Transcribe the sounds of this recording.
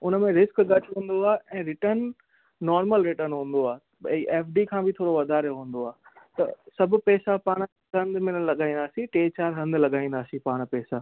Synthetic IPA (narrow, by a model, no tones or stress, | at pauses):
ʊnəmẽɾɪskɠɐʈʰɦũːn̆d̪oaːʔɛ̃ːɾɪʈənː | ɔːɾməlɾɪʈəɾnɦũːn̆d̪oaːɦ | ɛ̃ʔɛːfɖikʰãːbʱɪt̪ʰoːɽoʋɐd̪ʱaːɾeɦũːn̆d̪oaːt̪ɐ̰sɐbʱʊ̆pɛːsapaːɽ̃ | kɐ̃nd̪mɪnəɽlɐɠaːĩːnd̪aːsĩʈeːt͡ɕaːɾɦɐ̃nd̪lɐɠaːĩːn̆d̪aːsĩpaːɽ̃pɛːsaː